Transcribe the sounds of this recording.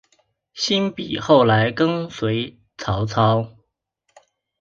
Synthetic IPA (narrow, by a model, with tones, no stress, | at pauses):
ɕi˥npi˨˩xo˥˩ʊla˧˥ɪkɤ˥ŋswe˧˥ɪ | t͡sʰɑ˧˥ʊt͡sʰɑ˥ʊ